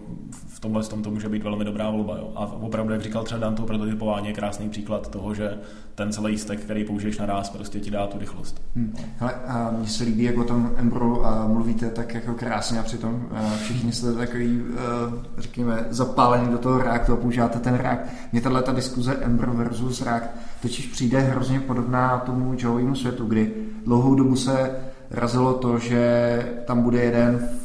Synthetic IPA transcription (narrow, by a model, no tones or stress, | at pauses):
ft̪omlɛst̪omt̪omuːʒɛbiːt̪vɛlmɪdobɾaːvo̞lbajo̰ːʔa̰vopɾavdujaɡrikalt̪rɛbadaːmt̪opɾot̪oʒɛɛpovaːɲɛjɛkɾaːsniːpr̥iːklat̪t̪oɦoʒɛ | t̪ɛnt͡sɛlɛjst̪ɛkːt̪ɛɾijpouʒɪjɛʃnaɾaːspɾoscɛcɪdaːt̪uɾɪxlost̪m̩hɛlɛmɲɛsɛliːbiːjakvot̪o̞mʔɛmbɾomluviːt̪ɛt̪akjako̞kɾaːsɲɛapr̥ɪt̪o̞m | fʃɪxɲɪst̪ɛt̪akoviː | rɛkɲɛmɛzapaːlɛniːdot̪oɦoɾɛak̚t̪uapouʒivaːt̪ɛt̪ɛnɾɛ̰ak̚t̪ | mɲɛt̪adlɛt̪adɪskuzɛʔɛmbɾovɛɾzusɾɛakt̪t̪ocɪʃpr̝̥iːdɛɦɾozɲɛpo̞do̞bnaːt̪o̞mud͡ʒoviːmusvjɛt̪uɡdɪ | dlowɦowdobusɛ | ɾʔa̰zɪlo̞t̪o̞ʒɛ | t̪ambudɛjɛdɛn